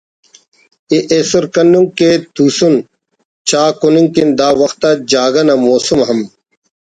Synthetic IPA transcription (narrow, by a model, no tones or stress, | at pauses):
eʔesoɾkɐnuŋket̪uːsun | t͡ɕaːkuniŋkind̪aːʋɐxt̪ad͡ʑaːɡɐnɐmoːsumɦɐm